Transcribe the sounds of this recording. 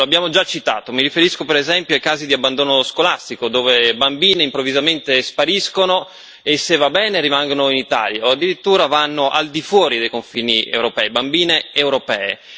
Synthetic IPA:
loabːjaːmod͡ʒat͡ʃːit̪a̰ːt̪omiɾifeɾiskopeɾezɛmpjoajkaːzid̪iabːand̪oːnoskolast̪ikod̪oːvebambiːneimpɾovːizament̪espaɾiskono | esːevːabɛːneɾimaŋɡonoinit̪a̰ːljaoad̪ːiɾit̪ːuːɾavanːoʔa̰ld̪ifwɔːɾid̪ejkoɱfiːniḛwɾopɛibambiːneewɾopɛ̰ːḛ

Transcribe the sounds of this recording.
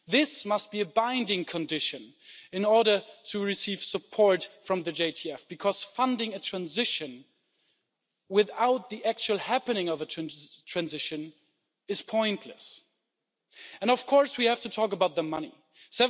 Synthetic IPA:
ðɪsmʌst̚b̥iɨbãɪ̃ndɪ̃ŋkʰɨ̃ndɪʃɨ̃n | ɨ̃nɔɹɾə˞ɾɨɹɨsiv̥səpʰɔɹtfɹʌ̃mðɨd͡ʒeɪtʰiɛfb̥ɨkʰʌz̥fʌ̃ndɪ̃ŋɨtʰɹ̥æ̃nzɪʃɨ̃n | wɪðaʊt̪̚ðiʔæk̚t͡ʃul̩ˠhæpɨnɪ̃ŋʌvɨtʰtʰɹ̥æ̃nzɪʃɨ̃n | ɨz̥pʰɔ̃ɪ̃nʔʰlɨ̰s | ɨ̃nʌv̥kʰɔɹswihæftɨtʰɔkəbaʊt̪̚ðəmʌnḭ | sɛ

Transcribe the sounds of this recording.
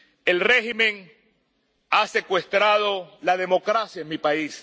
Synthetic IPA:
e̞lrehimẽŋ | ase̞kwe̞st̪ɾaðo̞lað̞e̞mo̞kɾasjaeŋmipais

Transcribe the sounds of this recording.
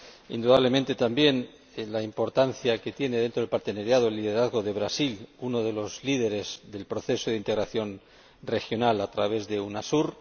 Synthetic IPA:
ḭnd̪uðaβle̞ment̪e̞t̪ambje̞n | laimpo̞ɾt̪anθjake̞t̪je̞neðent̪ɾoelpaɾt̪e̞naɾjaðoelːiðe̞ɾaðɣo̞ðe̞βɾasiluno̞ð̞e̞lo̞zlið̞e̞ɾe̞zðe̞lpɾo̞θe̞soðeint̪eɣɾaθjo̞n | re̞xjo̞nalat̪ɾaβ̞e̞zðe̞unasuɾ

